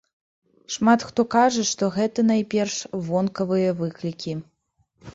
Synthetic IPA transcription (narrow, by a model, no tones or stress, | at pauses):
ʂmat̪xt̪ɔkaʐɐʂt̪ɔɣɛt̪ɐnajpʲɛrʂvɔnkɐvɨjɐvɨklʲikʲi